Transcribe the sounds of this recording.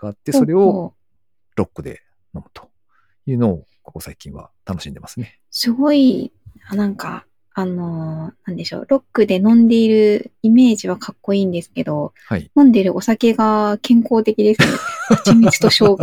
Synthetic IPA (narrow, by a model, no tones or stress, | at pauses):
ɡ̥aːt̪ːe̞so̞ɾe̞o̞ | ɾokːɯ̟d̪e̞̰ | no̞mɯ̟t̪ʰo̥ | jɯ̟ːno̞ː | ko̞kosaikʲĩβa̰t̪ano̞ɕĩnd̪e̞masɨne | sɨɡo̞ianãŋka̰ | ano̞nãnd̪e̞ɕo̞̰ːɾo̞kːɯ̟d̪e̞nõ̞nd̪e̞iɾɯ̟ime̞ːʑiβ̞akʰakːo̞iːnd̪e̞sɨ̥ke̞d̪o̞ | hainõ̞nd̪e̞ɾɯ̟ʔo̞sake̞ɡakʰẽ̞ŋko̞ːt̪e̞kʲid̪e̞sɨneat͡ɕimit͡ɕi̥t̪o̞ɕo̞ː